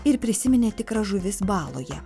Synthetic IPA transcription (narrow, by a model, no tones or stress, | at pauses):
ɪɾpʲɾʲɪsʲɪmʲɪnʲeːt̪ʲɪkɾɐʒʊʋʲɪsbɑːlˠo̰ːjɛ